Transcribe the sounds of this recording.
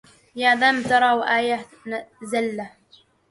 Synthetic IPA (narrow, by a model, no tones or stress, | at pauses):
jaːðaːmt̪ɑɾˤɑːwʔaːja | nazalːa